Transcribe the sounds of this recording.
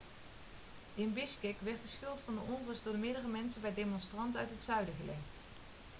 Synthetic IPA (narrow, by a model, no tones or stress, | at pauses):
ɪnbɪskɪkʋɛɹt̚dəsxɵlˠtfɑndəʔɔnvəsdʊːɹdmɪːɾərəmɛnsənbɛjdemɔnstrɑntœ̰ɥtɦətsœɥdəɣəlḛxt